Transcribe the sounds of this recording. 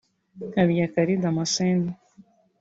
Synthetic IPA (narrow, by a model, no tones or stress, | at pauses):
kaβijakaɾid̪amaseni